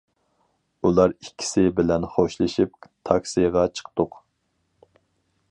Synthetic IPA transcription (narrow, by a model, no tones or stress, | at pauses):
ulˠɑɾikʲʰːi̥sɪbɪlɛnχoʃlˠɨʃip̚t̪ʰɑksijʁɑt͡ʃʰə̥qt̪ʊq